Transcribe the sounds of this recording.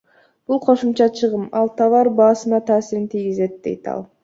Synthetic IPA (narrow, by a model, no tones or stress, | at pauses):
b̥ulˠqʰo̞ʃumt͡ʃɑt͡ʃʰɯʁɯmɑlˠt̪ʰɑvɑɾbɑːsɯnɑt̪ʰɑːsiɾint̪ʰijɡize̞t̪̚d̪e̞̰jt̪ɑ̰lˠ